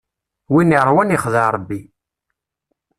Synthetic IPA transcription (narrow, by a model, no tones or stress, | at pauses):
winiɾˤwæniχðəɾˤəbːi